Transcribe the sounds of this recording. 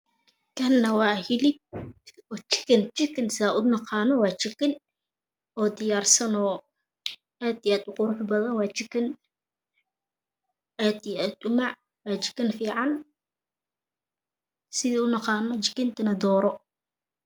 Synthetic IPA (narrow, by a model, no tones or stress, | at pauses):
kʰɐnːɐwɑːhɪlɪp̚ɔːt͡ʃɪ̥kʰɐnt͡ʃɪkʰɪnsaʔʊnɑqɑːnɔwɑːt͡ʃɪkɐn | ɔːd̪ɪjaːrsɐnɔː | ʔaːd̪iaːd̪ʊqʊɾʊħbɐðɐnwɑːt͡ʃɪkʰɐn | ʔaːd̪iaːd̪ʊmɑʕ | wɑːt͡ʃɪ̥kɐnfiːʕɑn | sɪðiːʊnɑqɑːnɔt͡ʃɪkɪnt̪ʰɐnɐd̪ɔːɾɔ